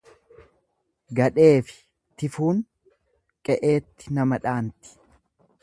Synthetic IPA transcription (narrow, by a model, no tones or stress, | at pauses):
ɡɐᶑe̞ːfɪ̥ | t̪ɪfuːŋ | kʼɛʔe̞ːt̪ːɪ̥nɐmɐᶑaːnt̪ɪ̥